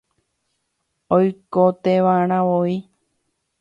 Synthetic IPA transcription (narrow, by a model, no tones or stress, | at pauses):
ojkot̪eʋaɾ̃ãʋoi